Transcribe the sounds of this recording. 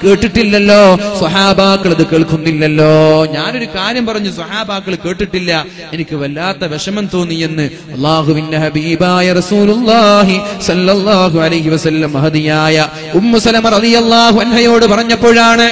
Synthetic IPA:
ke̞ːʈːiʈːilːɐlːo̞ːsɐħaːbaːkːɐɭɐðɨkeːɭkunːilːɐlːo̞ːɲaːno̞ɾukaːɾjɐmpɐrɐɲːus̬ɐħaːbaːkːɐɭke̞ːʈːiʈːilːɐ | e̞nikʲːɨʋɐlːaːt̪ːɐʋeʂɐmɐmt̪o̞ːnːije̞nːɨ | ɐlˠˤːaːɦuʋindehɐbiːbaːjɐrɐsuːlulːɑːɦisɐlːɐlˠːaːɦuʕɐlɐjɦiʋɐsɐlːɐmɐɦɐðijaːjɐ | umːusɐlɐmɐrɐðijɐlˠːaːɦuɐnhɐjo̞ːɽɨpɐrɐɲːɐpːo̞ːɻaːɳɨ

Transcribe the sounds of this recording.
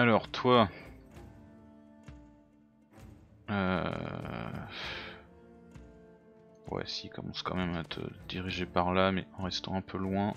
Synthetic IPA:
alɔʁt̪wa | ø | wɛ̰sikɔmɑ̰̃skɑ̰̃mɛmat̪ʰə̰d̪̥iʁiʒepaʁlamɛɑ̃ʁɛst̪ɑ̰̃ɛ̃pʰølwɛ̃

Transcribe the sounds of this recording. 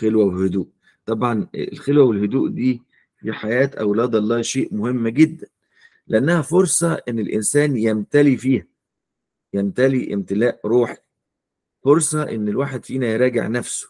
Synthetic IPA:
xelwæwehʊd̪uːʔ | t̪ˤɑbʕɑn̰lxelwæwelhʊd̪uːʔd̪iː | fiħajæːt̪ʔæwlɑːd̪ɑlˤːɑːʃeːʔmʊhemːɡed̪ːæn | leʔænːæhæfoɾsˤɑʔenːelʔɪ̰nsæːnjæmt̪ælifiːhæ | jæmt̪æliʔɪ̰mt̪ɪlæːʔɾˤuːħi̥ | foɾsˤɑʔḛnːelwaːħed̪fiːnæjeɾˤɑːɡḛʕnæfso̥

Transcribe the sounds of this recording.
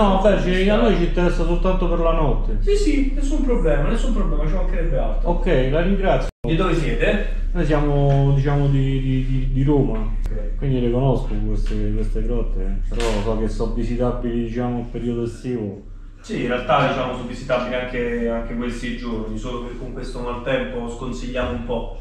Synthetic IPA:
nɔbɛɾt͡ʃi | anːojt͡ʃint̪eɾɛsːasolt̪ant̪opeɾlanɔt̪ːesisinesːumpɾoblɛːmanesːumpɾoblɛːmat͡ʃiakːeɾɛbːealt̪okːɛjlaɾiŋɡɾat̪sːjooid̪ːoʋesjɛːt̪e | nojsjaːmod̪it͡ʃaːmod̪i | d̪id̪id̪iɾoːma | kːɛjkwind̪ilekonoskokwest̪ekwest̪eɡɾɔt̪ːepeɾɔsɔkesːɔvːisit̪abːilid̪it͡ʃaːmoilpeɾiːod̪oest̪iːvo | siinrealt̪ad̪it͡ʃaːmosɔvizit̪abːiliaŋkeaŋk̟ekwelseid͡ʒornisoːlopekoŋkwest̪omalt̪ɛmposkonsiʎːaːmoumpɔ

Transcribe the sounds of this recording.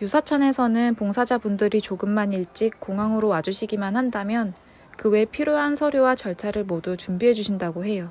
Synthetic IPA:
jusʰat͡ɕʰʌne̞sʰʌnɯnpoŋsʰad͡ʑabundɯɾit͡ɕoɡɯmːaniɭt͡ɕ͈ik̚k͈ːoŋɦaŋɯɾowad͡ʑuɕʰiɡimanhandamjʌn | kɯwe̞pʰiɾjoɦansʰʌɾjowat͡ɕʌɭtʰaɾɯɭmodut͡ɕumbiɦe̞d͡ʑuɕʰindaɡoɦe̞jo

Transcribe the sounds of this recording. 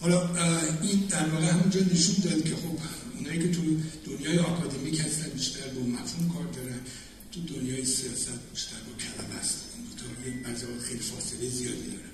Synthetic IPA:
hɒlɒind̪æɾvɒːɣehæmund͡ʒɒːne̞ʃund̪ɒːd̪cʲʰe̞xo̞b̥unhɒːjiːcʰʲe̞t̪ʰud̪̥onjɒːjeɒːkʰɒːd̪e̞michæst̪ænbiʃt̪æɾbomːæt̪humkʰɒːɾd̪ɒːɾæn | t̪ʰud̪onjɒːjesijɒːsæt̪̚biʃt̪æɾbɒcʰælæbæst̪ind̪ot̪ʰɒːɾebæzɒːxejlifɒːselejzijɒːd̪id̪ɒ̰ːɾæn

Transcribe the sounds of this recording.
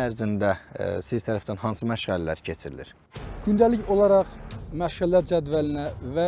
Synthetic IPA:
æɾzind̪æsizt̪ʰæɾæfd̪ænhɑnsɯmæʃʁællæ̰ɾcʰe̞t͡ʃʰiɾilḭɾ̥ | ɟ̥ynd̪æliçolˠɑɾɑʁmæʃʁælːæɾd͡ʒæd̪vælinævæ

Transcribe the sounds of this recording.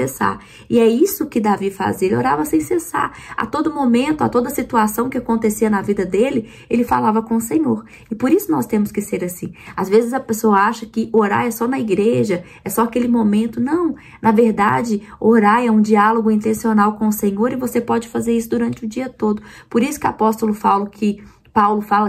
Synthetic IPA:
esa̰ɾ | ɪɛisʊkɪd̪avifa̰zielɪo̰ɾavɐsẽj̃sesa̰ɾa̰t̪od̪ʊmomẽnt̪ʊa̰t̪od̪ɐsit̪uasɐ̃w̃kɪakõnt̪esiɐnɐvid̪ɐd̪elɪ | elɪfa̰lavɐkõʊsẽɲoɾ | ɪpoɾisʊnɔst̪ẽmʊskɪseɾasĩazvezɪzɐpesoɐaʃɐkɪʔoɾa̰ɾɛsɔnɐiɡɾeʒɐ | ɛsɔakelɪmõmẽnt̪ʊnɐ̃w̃ | nɐveɾd̪a̰d͡ʒɪoɾajɛũd͡ʒialoɡʊĩnt̪ẽsionawkõʊsẽɲoɾɪvosepɔd͡ʒɪfazeɾisʊd̪uɾɐ̃nt͡ʃɪʊd͡ʒiɐt̪od̪ʊpoɾisʊ̥kɪʊa̰pɔst̪ʊlʊfawlʊkʰɪ | pawlʊfalɐ

